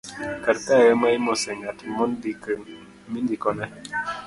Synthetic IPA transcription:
kaɾkajəmaimosɛŋatmɔnbikəŋ | mindikɔnɛ

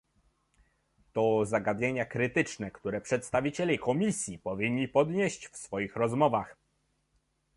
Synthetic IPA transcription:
t̪ɔzaɡad̪ɲeɲakɾɘt̪ɘt͡ʂnɛkt̪uɾɛpʂɛt̪st̪avʲit͡ɕɛlʲikɔmʲisʲjipɔvʲiɲːipɔd̪ɲeɕt͡ɕfsfɔjixɾɔzmɔvax

